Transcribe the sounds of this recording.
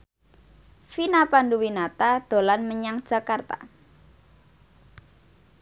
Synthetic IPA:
finapanɖuwinat̪ad̪̥o̤lanməɲaŋd̥ʒ̥a̤kart̪a̰

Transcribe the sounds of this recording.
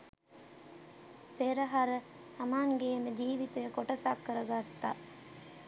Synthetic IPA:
peɾəɦaɾə | sɐmaːŋɡeːməd͡ʒiːʋit̪əjəkoʈɐsakːəɾɐɡat̪ːa

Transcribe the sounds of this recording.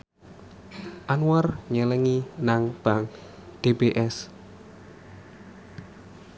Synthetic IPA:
ʔanuwarɲələŋinaŋb̥aŋ | d̥ebeʔɛs

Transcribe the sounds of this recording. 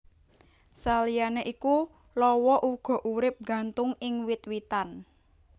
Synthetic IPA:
salijaneʔiku | lɔwɔʔuɡ̥ɔ̤ʔuɾɪp̚ɡä̤nt̪ʊŋɪŋwɪt̪̚wit̪an

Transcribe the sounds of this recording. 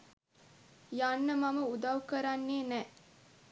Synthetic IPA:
janːəmɐmɐud̪ɐukɐɾanːeːnɛ

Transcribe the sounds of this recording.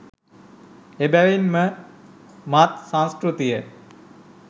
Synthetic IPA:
ebæʋinmə | mat̪sãnskɾut̪ijə

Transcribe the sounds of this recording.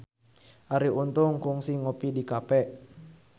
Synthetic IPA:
ʔaɾiunt̪uŋkuŋsiŋopidikapɛ

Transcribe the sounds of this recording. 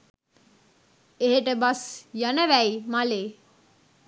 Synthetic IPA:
eɦeʈəbasjanəʋæjmaleː

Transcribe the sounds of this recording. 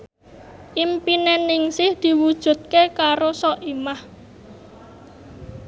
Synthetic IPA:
ʔimpinɛnːɪŋsɪhd̪̥i̤wud̥ʒ̥ṳt̪̚kekaɾosɔʔimah

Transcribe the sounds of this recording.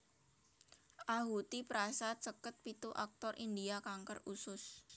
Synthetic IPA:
ʔaɦut̪ipɾasat͡ʃəkət̪̚pit̪uʔak̚t̪ɔrʔind̪iakaŋkərusʊs

